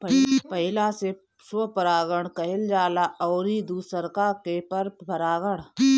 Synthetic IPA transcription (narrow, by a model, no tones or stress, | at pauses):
ppəɦɪlase | sopəɾaːɡəɽ̃kəɦɪld͡ʒaːlaʔɔːɾid̪uːsəɾkakepəɾpəɾaːɡəɽ̃